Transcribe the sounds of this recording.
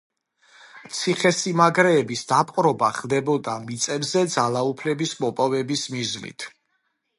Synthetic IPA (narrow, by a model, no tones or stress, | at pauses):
t̪sʰiχɛsimaɡɾɛːbisd̪apʼqʼɾɔbaχlˠd̪ɛbɔd̪amit̪sʼɛbzɛd̪zalˠaupʰlɛbismɔpʼɔvɛbismiznḭt̪ʰ